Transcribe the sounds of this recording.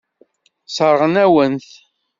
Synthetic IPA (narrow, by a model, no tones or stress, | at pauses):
sˤəɾˤʁənæwənθ